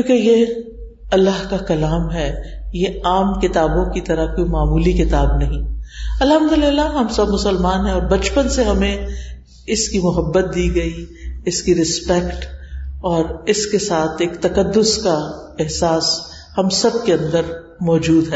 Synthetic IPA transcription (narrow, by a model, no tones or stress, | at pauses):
kjũːkeje | ɐlːaɦkakɐlaːmɦɛːjeaːmkɪt̪aːbõkit̪ɐɾakoːimaːmuːlikɪt̪aːbnɐɦĩɐlɦɐ̃md̪ʊlɪlːaɦɐmsɐbmʊsəlmaːnɦɛ̃ɔːɾbɐt͡ʃpənseɦɐmẽ | ɪskimʊɦəbːət̪̚d̪iːɡɐiɪskiɾɪspɛkʈɔːɾɪskesaːt̪ʰeːkt̪ɐkɐd̪ːʊskaɛɦsaːs | hɐmsɐb̚keɐ̃nd̪əɾ | mɔːd͡ʒuːd̪ɦɛː